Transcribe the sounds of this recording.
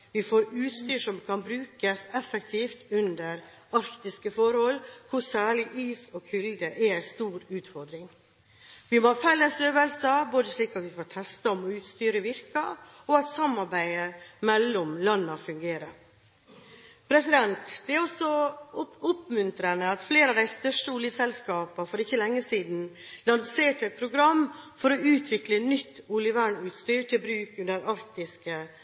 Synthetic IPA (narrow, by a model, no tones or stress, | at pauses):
ʋɪfoːɾʉːt̪st̪yːʂɔmkʰɑnbɾʉːkəsɛfːəkt̪ʰiːft̪ʉnd̪əɾ | ɑɾkt̪ɪskəfɔɾhɔlkʰʊsæːɭɪʔiːsɔkʰʏld̪əʔɛæɪst̪uːɾʉːt̪fɔɾd̪ɾɪŋ | ʋɪmofɛlːəsøːʋəlsəboːd̪əʂɭiːkɑt̪ʋɪfoːt̪ʰɛst̪ɑɔmɔʉːt̪st̪yːɾəʋɪɾkɑ | ɔɑt̪sɑmːɑɾbæɪəmɛlːɔmlɑnːəfʉŋɡeːɾəɾ | pʰɾɛsɪd̪ɛnt̪d̪̥ɛæɾɔsɔ | ʊpmʉnt̪ɾənəɑt̪fleːɾɑʋd̪æɪst̪œʂʈəuːljəsɛlskɑːpɑfɔɾɪçːəlɛŋːəsiːd̪n̩lɑnseːʈɛt̪̚pʰɾʊɡɾɑmːfɔɾɔʉːt̪ʰʋɪklənʏt̪ːuːljəʋæːɳʉːt̪st̪yːɾʈ̪ʰɪlbɾʉːkʉnd̪əɾɑɾkt̪ɪskə